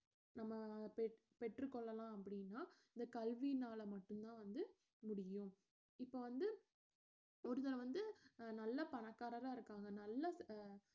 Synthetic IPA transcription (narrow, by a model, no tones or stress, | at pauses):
nɐmːɐpɛ | pɛʈrɯkɔɭːɐlãːɐpːɐɽɪnːaːɪnd̪ɐkɐlʋinaːlɐmɐʈːɯmt̪ãːʋɐnd̪ɯ | mʊɽɪjʊ̃ | ɪpːoːʋɐnd̪ɯ | ɔɾɯt̪ɐɾɐ̃ʋɐnd̪ɯnɐlːɐpɐɳɐkːaːɾɐɾaːɪɾɯkːaːŋɡɐnɐlːɐs